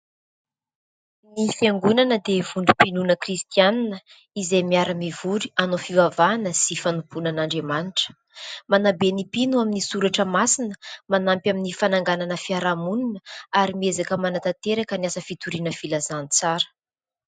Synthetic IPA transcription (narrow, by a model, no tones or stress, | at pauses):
nifaŋɡunanəd̪evuɳɖ͡ʐu̥pinunəkrist̪ianinə | izejmiaɾəmivuɾianofivavanəsifanupunanaɳɖ͡ʐemaniʈ͡ʂə̥ | manabenipinuaminisuɾaʈ͡ʂəmasinəmanampʲaminifanaŋɡananəfiaɾamuninəaɾimiezakəmanat̪at̪eɾakəniasəfit̪uɾinəfilazanit͡saɾə̥